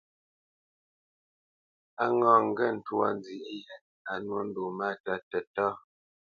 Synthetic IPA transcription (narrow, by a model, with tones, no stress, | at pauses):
a˦ŋɔ̃ː˦˨ŋ̩˦ɡɛ˦n̩˨twɔ̰˨n˦d͡zi˨ʔi˦ | a˨nwo˦n̩˦do˨ma˦ta˦tɛ˨tɔ˦